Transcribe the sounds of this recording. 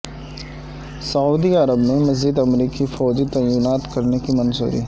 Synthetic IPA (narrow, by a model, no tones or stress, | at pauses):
sɐuːd̪iɐɾəbmẽmɐzd͡ʒɪd̪ɐmɾiːkifɔːd͡ʒit̪ɐːjuːnaːt̪kɐɾnekimɐnzṵːɾḭː